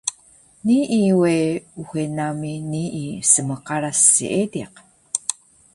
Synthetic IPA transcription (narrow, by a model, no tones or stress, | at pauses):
niiweuxenaminiːsəməqɑɾasːḭʔediq